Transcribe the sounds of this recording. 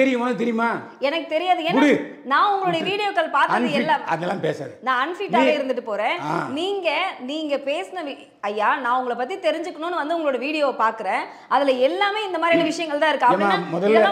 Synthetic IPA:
t̪ɛɾɪjɯmaːt̪ɛɾɪjɯmaː | ɛnɐkːɯt̪ɛɾɪjaːðɯɛnɽɯ | nãːʊŋɡɐɭoːɽɐjɐʋiːɽɪjoːkːɐlpaːɾtðɯɛlːaːmɐðɛlːãːpeːsa̰ːðnãːɐnfiʈːaːɣɐɪɾɯnd̪ɯʈ̬ːɯpoːɾẽːaniːŋɡɐniːŋɡɐpeːsɐnɐʋi | ɐjːaːnãːʊŋɡɐɭɐpːɐt̪ːit̪ɛɾɪɲd͡ʒɯkːɐɳʊ̃nːɯʋɐnd̪ɯʊŋɡɐɭoːɽɐʋiːɽɪjoːpaːɾkɯɾẽː | ʔɐðɪlɐɛlːaːmeːɪnd̪ɐmaːd̪ɾiɛnːɐʋɪʂɐjɐŋɡɐɭt̪ãːɪɾɯkːɯ̃ɐamɔðɐlːa

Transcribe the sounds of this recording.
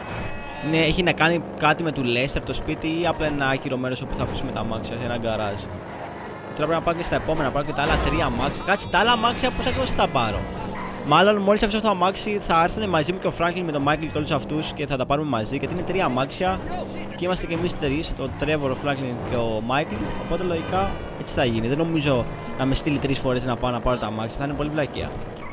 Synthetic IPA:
ineeçinɐkɐnikɐt̪ime̞t̪ule̞st̪eɾt̪o̞spit̪iiɐplɐenɐɐciɾo̞me̞ɾo̞so̞puθɐfisume̞t̪ɐmɐksiɐenɐɡɐɾɐzo | cet̪oɾɐpɾepinɐpɐcest̪ɐepo̞me̞nɐpɐɾocet̪ɐɐlɐt̪ɾiɐmɐksijɐkɐt͡si̥t̪ɐɐlɐmɐksiɐpusɐk̪eosɐt̪ɐpɐɾo̞̰ | mɐlo̞nmo̞lisɐfisɐft̪ɐt̪ɐmɐksiθɐɐɾθɐnemɐzimuce̞ofɾɐŋkliŋme̞t̪o̞mɐiklceo̞lusɐft̪usce̞θɐt̪ɐpɐɾume̞mɐziʝɐt̪inet̪ɾiɐmɐksiɐ | ceimɐst̪ece̞mist̪ɾist̪o̞t̪ɾe̞voɾofɾɐŋkliŋceomɐiklo̞po̞t̪e̞loʝikɐ | e̞t͡si̥θɐʝiniðeno̞mizo̞ | nɐme̞st̪ilit̪ɾisfo̞ɾe̞znɐpɐonɐpɐɾo̞t̪ɐmɐksiɐθɐinepo̞livlɐcḭɐ̰

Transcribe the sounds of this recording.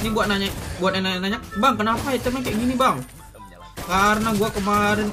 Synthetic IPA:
nibuat̪̚naɲaʔbuat̪̚nanaɲanaɲak̚baŋkənapaɛt̪əmakaʔɡinibaŋ | kaɾənaɡuakəmaɾɪn

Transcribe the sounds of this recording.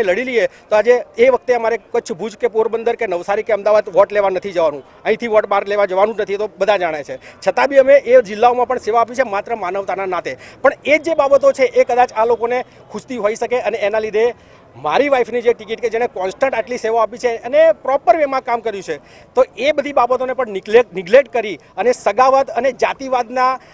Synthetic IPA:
eləɽiliet̪oad͡ʒeːʋəkʰt̪eəmaɾekət͡ʃʰbʱud͡ʒkepoɾbənd̪əɾkenəʋsaɾikeəmd̪aʋad̪ʋɔʈleʋanət̪ʰid͡ʒəʋanũ | əɦĩt̪ʰiʋɔʈbaɾleʋãd͡ʒəʋanũnət̪ʰit̪obəd̪ʱãd͡ʒaɽ̃et͡ʃʰet͡ʃʰət̪abʱiəmeʔed͡ʒɪlːaomãpəɳseʋaːp̬it͡ʃʰemat̪ɾəmanəʋt̪ananat̪ʰepəɳed͡ʒebabət̪ot͡ʃʰeʔekəd̪at͡ʃalokone | kʰust̪iɦoiʃəkeəneːnalid̪ʱe | maɾiʋaifnid͡ʒeʈikiʈked͡ʒeɽ̃ekɔnsʈə̃ɳʈaʈliseʋaapit͡ʃʰeənepɾɔpəɾʋemãkamkəɾjũt͡ʃʰe | t̪oebəd̪ʱibabət̪onepəɳnlenɪɡleʈ̚kəɾiənesəɡaʋət̪əned͡ʒat̪iʋad̪na

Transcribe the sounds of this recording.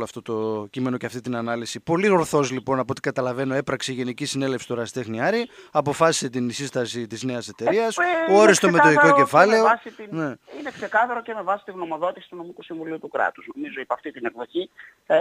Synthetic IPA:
lɐft̪o̞t̪o̞cime̞no̞ceɐft̪it̪inɐnɐlisipo̞liɣoɾθo̞zlipo̞nɐpot̪ikɐt̪ɐlɐve̞no̞e̞pɾɐkseiʝe̞nicisine̞lefsi̥t̪oɾɐsi̥t̪e̞xniɐɾiɐpo̞fɐsi̥se̞t̪̬insist̪ɐsit̪izne̞ɐse̞t̪e̞ɾɾiɐsooɾist̪omet̪oiko̞ce̞fɐle̞osit̪ineinekse̞kɐθɐɾo̞ceme̞vɐsi̥t̪iɣno̞mo̞ðo̞t̪isi̥t̪uno̞mikusiɱvuliut̪ukɾɐ̰t̪uznomizoipɐft̪it̪ine̞kðo̞çi

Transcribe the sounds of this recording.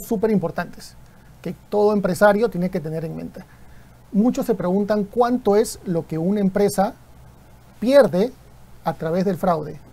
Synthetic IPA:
sːupe̞ɾimpo̞ɾt̪ant̪e̥s | ket̪o̞ð̞o̞empɾesaɾjo̞t̪je̞neke̞t̪e̞ne̞ɾenmḛ̃nt̪e | mut͡ʃo̞sːe̞pɾe̞ɣunt̪aŋkwant̪o̞e̞zlo̞ke̞unaempɾe̞sa | pje̞ɾðe | at̪ɾaβ̞e̞zðelfɾawðe

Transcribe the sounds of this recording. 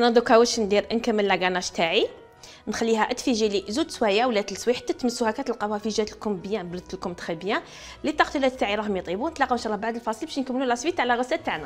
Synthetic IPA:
ʔænæd̪ukæwəʃənd̪iɾʔənkəmənlːæɡænæʃt̪aʕi | nxælːiɦæʔət̪ːfiʒilizud̪swæjawlæt̪əlsˤwiħə̥t̪ːæt̪ːməsːuhækæt̪əlqɑbæfiʒæt̪əlkʊmbəjæ̃bɾt̪əlkʊmt̪xəbjæ̃ | lit̪ːˤɑqt̪wlæt̪t̪ːaʕiɾˤɑhmjt̪ˤibunət̪lɑqəmʃɑlˤːɑbaʕd̪əlfɑsˤəlbæʃnkəmːlulæsˤwit̪ʕlæɣəsːæt̪ːaʕnæ

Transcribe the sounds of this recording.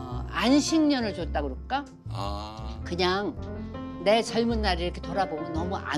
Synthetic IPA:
anɕʰiŋɲʌnɯɭt͡ɕot͈aɡɯɾok͈a | kɯɲaŋ | ne̞t͡ɕʌɭmunːaɾiɾʌkʰetoɾabomjʌnːʌmuʔa̰

